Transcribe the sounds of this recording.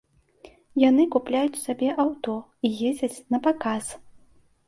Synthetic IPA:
jan̪ɨkuplʲajut͡sʲsabʲɛʔawt̪ɔ | ijed͡zʲɐt͡sʲnɐpakas

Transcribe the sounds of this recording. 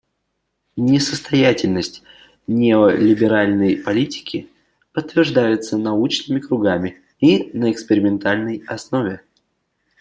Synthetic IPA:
nʲɪsəst̪ɐjatʲɪlʲnəsʲtʲ | nʲeolʲɪbʲɪɾalʲnəjpɐlʲitʲɪ̥kʲɪ | pət̪ːvʲɪrʐd̪ajɪt̪sənɐut͡ɕnɨmʲɪkɾʊɡamʲɪ | inəɪkspʲɪɾʲɪmʲɪnt̪alʲnəjɐsno̞vʲɪ

